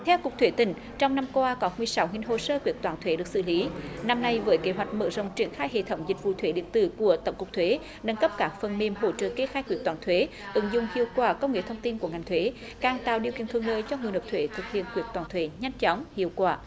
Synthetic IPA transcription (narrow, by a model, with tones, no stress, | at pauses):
t̪ʰɛ˧wku˨˩k̚t̪ʰwe˨˦t̪ï˧˩ŋ̟ | t͡ɕɔ˧wŋ͡mna˧mkwaː˧kɔ˨˦mɨ˨˧˩əjsa˨˦wŋi˧ŋ̟ɦo̰˧˨səː˧kwi˨˩ək̚t̪waː˧˩nt̪ʰwe˨˦ɗɨ˨˩ək̚sɨ̰˧˨li˨˦na˧mna˧jvəː˨˦jke˨˦ɦwa˨˩jk̟̚mə̰ː˧˥zə̰˧˨wŋ͡mt͡ɕi˧˩ənxaː˧jhḛ˧˨t̪ʰə˨˦wŋ͡mzï˨˩k̟̚vṵ˧˨t̪ʰwe˨˦ɗḭ˧˨ənt̪ɨ̰˧˨ku˧˩ət̪ə̰˨˧˩wŋ͡mkʊ˨˩k͡p̚t̪ʰwe˨˦ | ɗə˧˦nkə˦˥p̚kaː˧˩ŋfə˨˩nni˧˩mɦo̰˧˩t͡ɕə̰ː˧˨ke˧˦xaː˧˥jkwi˧˩ək̚t̪waː˨˩nt̪ʰwe˨˦ | ʔɨ˨˧˩ŋzʊ̰˧˨ŋ͡mhḭ˧˨əwkwaː˧˩kə˧wŋ͡mŋḛ˧˥t̪ʰə˧wŋ͡mt̪i˧nku˧˩əŋa˨˩jŋ̟t̪ʰwe˨˦ | kaː˨˩ŋt̪a̰ː˧˨wɗi˧˨əki˧ənt̪ʰɨ˧˨əŋləː˧˨jt͡ɕɔ˧ŋɨ˨˩ənhəː˨˩p̚t̪ʰwe˧˦t̪ʰɨ˨˩k̚hḭ˧˨ənkwi˧˩ək̚t̪waː˨˩nt̪ʰwe˧˦ɲa˧jŋ̟t͡ɕɔ˨˦ŋ͡mhḭ˧˨əwkwaː˧˩